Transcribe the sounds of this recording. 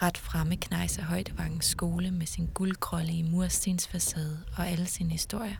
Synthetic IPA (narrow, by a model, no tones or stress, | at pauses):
ʁad̥fʁaməkʰnɑ̈ɪsɐɦɒ̽ɪd̥əʋɑ̈ɡ̥n̩sːɡ̥o̝ːləmesinɡ̥ulkʰʁɒ̽liəmuɐ̰sd̥ensfæsɛð̞ˠɒ̽æləsiːnəhisd̥o̝ɐ̰jɐ